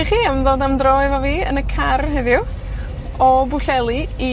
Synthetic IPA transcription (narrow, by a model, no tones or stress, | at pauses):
iχiːamðoːdamdrɔɨvɔviːə̰nəkʰarɦɛðjʊ | ɔbʊɬɛlˠii